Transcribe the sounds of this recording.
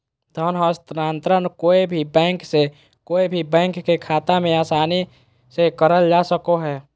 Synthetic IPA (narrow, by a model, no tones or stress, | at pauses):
d̪ʱənɦəst̪ɾaːnt̪ɾənkoːibʱibɛ̃ːŋkse | koːibʱibɛ̃ːŋkːekʰaːt̪amẽaːsaːni | sekəɾəld͡ʒasəkoɦɛː